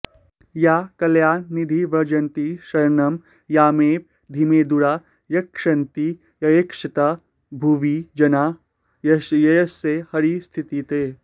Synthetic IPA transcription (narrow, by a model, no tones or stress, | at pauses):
jakɐljaːnːid̪ʱiʋɐɾd͡ʒɐnt̪iʃɐɾnɐm | jaːmeːp̚ | d̪ʱimeːd̪uɾaː | ɾɐkʂɐnt̪i | jɐjekʂɐt̪a | bʱuʋid͡ʒɐnaː | jjɐjɐsehɐɾist̪ʰit̪it̪eː